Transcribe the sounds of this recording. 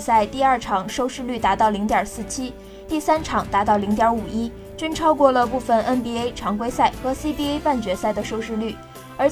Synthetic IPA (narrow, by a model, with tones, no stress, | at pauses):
sa˥˧ɪt̪i˥˧ɐ˞˥˩ʈ͡ʂʰɑ˨˩ŋʂo˥˧ʊʂɻ̩˥˧ly˥˩t̪a˧˥t̪ɑ˥˩ʊli˧˥ŋt̪jɑ˨˩sɹ̩˥˩t͡ɕʰi˥ | t̪i˥˩sa˥nʈ͡ʂʰɑ˨˩ŋt̪a˧˥t̪ɑ˥˩ʊli˧˥ŋt̪̬jɑ˧˥u˨˩i˥ | t͡ɕy˥nʈ͡ʂʰɑ˥ʊkwɔ˥˩lə˩pu˥˩fə˩nʔə˥npi˥e˥ɪʈ͡ʂʰɑ˧˥ŋkwe˥ɪsa˥˩ɪxɤ˧˥si˥pi˥˧e˥ɪpa˥˩nt͡ɕɥɛ˧˥sa˥˩ɪd̪ə˩ʂo˥˧ʊʂɻ̩˥˧ly˥˩ | ə˞˧˥